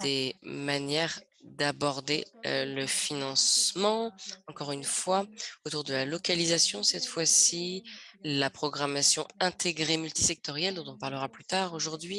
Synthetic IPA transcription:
d̪̥emanjɛʁ | d̪abɔʁd̪ḛləfinɑ̃smɑ̃ɑ̃kɔʁynfwaot̪uʁd̪əlalɔkalizasjɔ̃sɛt̪fwasi | lapχɔɡʁamasjɔ̃ɛ̃t̪ʰeɡʁemylt̪i̥sɛk̚t̪ɔʁjɛld̪ɔ̃t̪ɔ̃paʁləʁaplyt̪aʁoʒuʁd̪ɥi

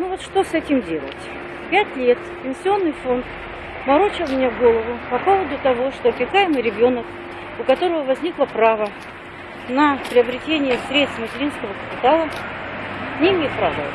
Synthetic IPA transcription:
nuvot̪ʂt̪o̞sɛtʲɪmdʲe̞lˠə̰tʲ | pʲætʲlʲe̞t̪pʲɪnʲsʲɪo̞nːɨjfo̞nt̪ | mɐɾo̞t͡ɕɪlˠmʲɪnʲaɡo̞lˠəvʊpɐpo̞vˠəd̪ʊt̪ɐvo̞ʂt̪opʲɪkajɪmɨjɾʲɪbʲo̞nək | ʊkɐt̪o̞ɾəvəvɐzʲnʲiklˠəpɾavə | nəpɾʲɪəbɾʲɪtʲenʲɪjəsʲɾʲe̞t̪st̪mətʲɪɾʲinskəvəkə̥pʲɪt̪alˠə | nʲeɪmʲejt̪̚pɾa̰və̰

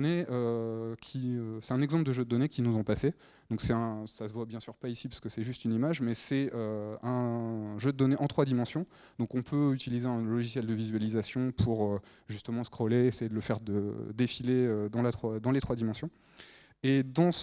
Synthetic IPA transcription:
neøkʲʰiøsɛ̥t̪ɛ̃nɛɡzɑ̃pld̪əʒød̪əd̪ɔnekʲinuzɔ̃pase | d̪̥ɔ̃ksɛtɛ̃sasəvwabjɛ̃syʁpaisipḁʁskəsɛʒyst̪ynimaʒmɛsɛøɛ̃ʒød̪əd̪ɔneʔɑ̃t̪χwad̪imɑ̃sjɔ̃ | d̪ɔ̃kɔ̃pʰøyt̪ilizeɛ̃lɔʒisjɛld̪əvizɥalizasjɔ̃pʰuʁø | ʒyst̪əmɑ̃skχɔleːsejed̪ələfɛʁd̪əd̪efileød̪ɑ̃lat̪χwad̪ɑ̃let̪χwad̪imɑ̃sjɔ̃ | ed̪ɑ̃s

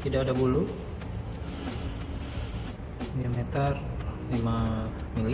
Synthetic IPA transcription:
t̪idaʔadabulu | ɡiamɛt̪ərlima | mili

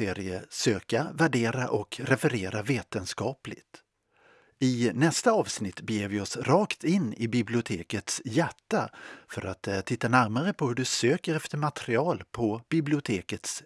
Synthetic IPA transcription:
eːɾɪəsøːkavæɖeːɾaʔɔkɾɛfɛɾeːɾaveːt̪ənskɑːplɪ̰ɡt̪ | ɪnɛst̪aɑːvsnɪt̪ːbɛjeːɾvɪɔsɾɑːkt̪ɪnːɪbɪblɪʊt̪ʰeːkət̪sjæʈːafœɾʔat̪t̪ʰːɪt̪ːanæɾmaɾəpʰɔhɵɖɵsøːkəɾɛft̪əɾmat̪ɛɾɪɑːlpʰɔb̥ɪblɪʊt̪ʰeːkət̪s

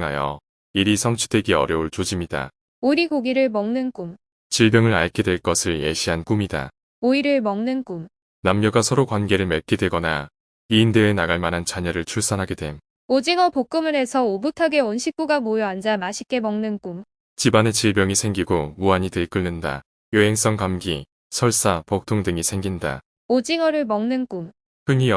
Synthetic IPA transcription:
ŋa̰jʌ̰ | iɾisʰʌŋt͡ɕʰu̥dwe̞ɡiʌ̰ɾjʌuɭt͡ɕod͡ʑimida̰ | oɾiɡoɡiɾɯɭmʌŋnɯnk͈um | t͡ɕiɭbjʌŋɯɾaɭkʰedwe̞ɭk͈ʌsʰɯɭjḛɕʰiɦank͈umida̰ | oiɾɯɭmʌŋnɯnk͈um | namɡjʌɡasʰʌɾokwanɡe̞ɾɯɭmeɭk͈ʰedwe̞ɡʌna | iːndeːnaɡaɭmanɦant͡ɕaɲʌɾɯɭt͡ɕʰuɭs͈ʌnɦaɡidwe̞m | od͡ʑiŋʌpok͈ɯmɯɾe̞sʰʌobutʰaɡe̞wʌnɕʰik̚k͈uɡamojʌand͡ʑamaɕʰi̥k͈e̞mʌŋnɯnk͈um | t͡ɕibanet͡ɕiɭbjʌŋisʰe̞ŋɡiɡomuaɲitɯɭk͈ɯɭːɯnda̰ | joɦe̞ŋs͈ʌŋkamɡi | sʰʌɭs͈apʌk̚tʰoŋdɯŋisʰe̞ŋɡinda̰ | od͡ʑiŋʌɾɯɭmʌŋnɯnk͈um | pɯŋi

